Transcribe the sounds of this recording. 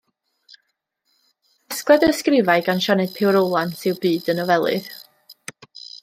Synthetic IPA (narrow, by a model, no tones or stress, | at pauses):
asklɛdəskrɪvaɨɡanʃanɨd̥pʰɪwɾowlˠansɪwbɨːdənɔvɛlˠɨ̰ð